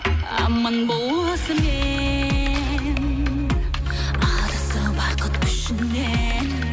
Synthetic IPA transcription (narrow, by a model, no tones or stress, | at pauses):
mənbolˠ | əsəme | n | ɑd̪əsəbɑqət̪kʲʰʏ̥ʃɪnːe | n